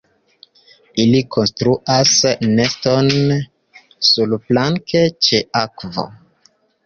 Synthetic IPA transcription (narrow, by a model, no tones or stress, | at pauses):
ilikʰo̞nstɾuʔasːe̞sto̞n | sulplaŋke̞t͡ʃe̞akvo̰